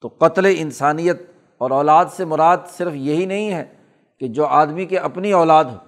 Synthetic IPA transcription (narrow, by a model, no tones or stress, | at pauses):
t̪oːqɐt̪leɪnsaːnijət̪̚ | ɔːɾɔːlaːd̪semʊɾaːd̪sɪɾfjɐɦinɐɦĩɦɛː | ked͡ʒoːaːd̪mikeʔɐpniɔːlaːd̪ɦoː